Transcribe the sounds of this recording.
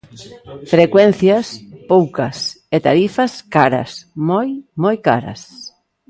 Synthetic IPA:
fɾekwɛn̟θjɐspowkɐs | et̪a̰ɾifɐskaɾɐ̰smojmojka̰ɾɐ̰s

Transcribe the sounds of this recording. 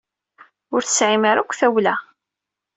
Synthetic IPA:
ʊɾθəsʕimaɾækʷːθæwlæ

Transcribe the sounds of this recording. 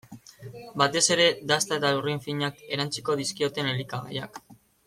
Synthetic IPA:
bat̪e̞se̞ɾe̞d̪ast̪aet̪auriɱfiɲake̞ɾant͡si̥ko̞ðiskio̞t̪e̞ne̞likaɣa̰ja̰k

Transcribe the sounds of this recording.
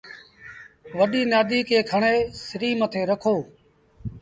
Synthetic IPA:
ʋəɗiːnaːd̪iːkeːkʰəɳeːsɪɾiːmət̪ʰeːɾəkʰoː

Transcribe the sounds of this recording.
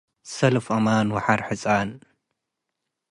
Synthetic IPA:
sɐlfʔɐmanwaħaɾħɨt͡sʼan

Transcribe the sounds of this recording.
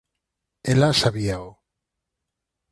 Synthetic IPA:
elasaβiao

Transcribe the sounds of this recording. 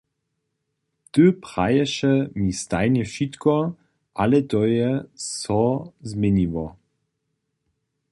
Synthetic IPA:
t̪øpʁajɛʃɛmist̪ajnɛʃitkɔ | ʔalɛt̪ɔjɛsɔzmenivɔ

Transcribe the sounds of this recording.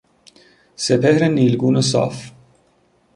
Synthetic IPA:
sepʰehɾeniːlɡuːnəsɑ̰ːf

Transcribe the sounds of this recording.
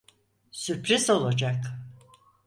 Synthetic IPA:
syɾpɾizo̞lˠad͡ʒak

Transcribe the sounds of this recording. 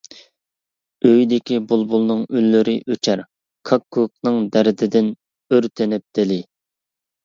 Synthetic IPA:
øjd̪ɪkʲibulˠbulˠnɨŋylːyɾɪʔøt͡ʃʰæɾ | kʰɑkʰːuk̚nɨŋd̪æɾɪd̪ɪd̪ɪn | øɾt̪ʰɪnɪp̚d̪ɪlɪ

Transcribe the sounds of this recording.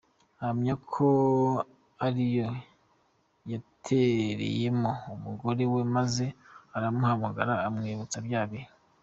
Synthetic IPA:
hamɲakʰo | aɾijo | jatʰeɾḛjemoumuɡo̞ɾewe̞maze̞aɾamuhamuɡa̰ɾaːmŋiːβut͡sabjaːβi

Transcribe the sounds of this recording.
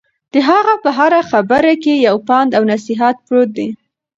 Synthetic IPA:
d̪̥əɦaɣapəɦaɾaxabəɾakejawpɑnd̪awnasiɦat̪̚pɾot̪̚d̪i

